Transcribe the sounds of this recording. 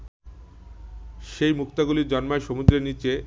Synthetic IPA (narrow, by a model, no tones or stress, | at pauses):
ʃejmukt̪aɡuliɾd͡ʑɔnmaeʃomud̪ɾenit͡ɕe